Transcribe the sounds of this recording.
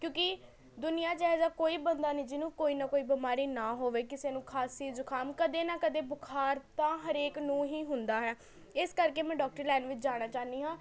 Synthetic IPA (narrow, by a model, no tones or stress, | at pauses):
kjõːkɪ | d̪ʊnɪjãːt͡ʃːɦzaːkoːiːbənd̪aːnĩːd͡ʒɪnũːkoːiːnaːkoːiːbɪmaːɾiːnaːɦoːʋeːkɪseːnũːkʰaːsiːzʊkʰaːmkəd̪eːnaːkəd̪eːbʊkʰaːɾt̪ãːɦəɾeːknũːɦiːɦʊnd̪aːɦɛː | ɪskəɾkeːmɛ̃ːɖɔːk̚ʈəɾlɛːnʋɪt͡ʃd͡ʒaːɽ̃aːt͡ʃaːniːɦãː